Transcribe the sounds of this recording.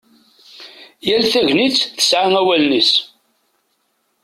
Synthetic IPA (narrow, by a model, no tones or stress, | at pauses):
jælθæʝnit͡sːθə̥sʕaŋæwælnəs